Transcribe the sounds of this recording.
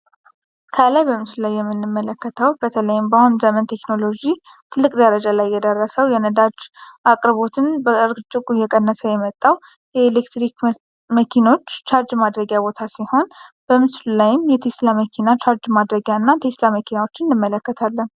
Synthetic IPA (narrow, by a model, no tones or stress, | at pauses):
kʰəlajbəmɨslulajːɛmːɨnːɨmːələkːət̪ʰəwbət̪ʰələjɪmbahunzəmənt̪ʰe̞kno̞lo̞d͡ʒi | t̪ʰɨlːɨkʼd̪əɾəd͡ʒalajːɛd̪ərːəsəwjɛnəd̪ad͡ʒʔakʼɾβo̞t̪ʰɨnbəəɾt͡ʃʼɨkʼujɛkʼənːəsəjɛmət̪ʼːaw | jɛelekt̪ɾik | məkʰino̞t͡ʃːt͡ʃaɾd͡ʒmad̪ɾəɡjabo̞t̪ʰasiho̞nb̥əmɨslulajɪmjɛt̪ʰeslaməkʰinat͡ʃʰaɾd͡ʒmad̪ɾəɡjanːat̪ʰeslaməkʰinawot͡ʃːɨnnːɨmːələkːət̪ʰalːən